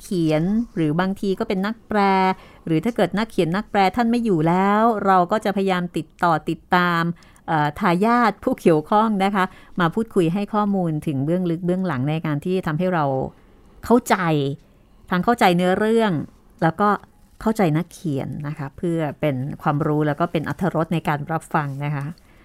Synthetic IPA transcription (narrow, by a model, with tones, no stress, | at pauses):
kʰi˨˩˦ənɾɯː˩˦baː˧ŋt̪ʰiː˧kɔː˥˩pe˧nːa˦˥k̚pɾɛː˧ | ɾɯː˩˦t̪ʰaː˥˩kɤː˨˩t̪̚na˦˥kʰːi˨˩˦nːa˦˥k̚plɛː˧t̪ʰa˥˩nma˥˩jːuː˨˩lɛː˦˥wɾa˧wkɔː˥˩t͡ɕa˨˩pʰa˧ja˧jaː˧mt̪i˨˩t̪ːɔː˨˩t̪i˨˩t̪ːaː˧m | ʔaː˨˩t̪ʰaː˧jaː˥˩t̪̚pʰuː˥˩ki˨˩əwkʰɔ˥˩ŋna˦˥kʰa˦˥ʔmaː˧pʰuː˥˩t̪̚kʰu˧jɦa˥˩jkʰɔː˥˩muː˧nt̪ʰɯ˩˦ŋbɯ˥˩əŋlɯ˦˥k̚bɯ˥˩əŋla˩˦ŋna˧jkaː˧nt̪ʰiː˥˩t̪ʰa˧mɦa˥˩jɾa˧w | kʰa˥˩wt͡ɕa˧j | t̪ʰaː˧ŋkʰa˥˩wt͡ɕa˧jnɯ˦˥ɐɾɯ˥˩əŋ | lɛː˦˥wkɔː˥˩ | kʰa˥˩wt͡ɕa˧jna˦˥kʰːi˨˩˦ə˦nːa˦˥kʰa˦˥pʰːɯ˥˩ɐpe˧nkʰwaː˧mɾuː˦˥lɛː˦˥wkɔː˥˩pe˧nʔa̰˧˩t̪ʰːa˧ɾo˦˥t̪̚na˧jkaː˧nɾa˦˥p̚fa˧ŋna˦˥kʰa˦˥ʔ